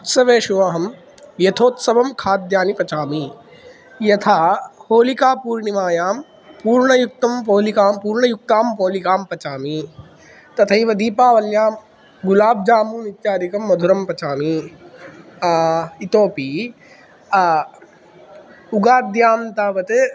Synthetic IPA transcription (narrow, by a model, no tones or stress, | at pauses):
ut̪sɐʋeːʃuʋaːɦɐm | jɐt̪ʰoːt̪sɐbɐmkʰaːd̪jaːnipɐt͡ʃaːmi | jɐt̪ʰahoːlikaːpuːɾɳimaːjaːm | puːɾɳɐjuk̚t̪ɐmpoːlikaːmpuːɾɳɐjuk̚t̪aːmpoːlikaːmpɐt͡ʃaːmi | t̪ɐt̪ʰɐiʋɐd̪iːpaːʋɐljaːm | ɡulaːb̚d͡ʒaːmuːnit̪jaːɾikɐmːɐd̪ʱuɾɐmpɐt͡ʃaːmi | it̪oːpiː | uɡaːd̪jaːmt̪aːʋɐt̪e